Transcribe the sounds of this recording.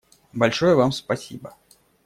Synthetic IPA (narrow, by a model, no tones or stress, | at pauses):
bɐlʲʂɔjəvamspɐsʲḭbə